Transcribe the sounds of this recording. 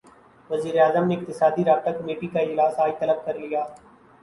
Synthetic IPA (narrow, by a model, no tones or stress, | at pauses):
ʋɐziːɾeaːzəmneɪk̚t̪ɪsaːd̪iɾaːt̪ɐkɐmeːʈikaɪd͡ʒlaːsaːit̪ɐləb̚kɐɾlijaː